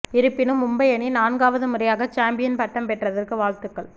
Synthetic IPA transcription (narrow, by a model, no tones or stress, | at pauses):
ɪɾɯpːɪnɯmʊmbɐjɐninaːnɡaːʋɐðɯmʊrɐjaːɣɐt͡ʃaːmbɪjɐnpɐʈːɐmpɛʈrɐðɐrkɯʋaːɭt̪ɯkːɐɭ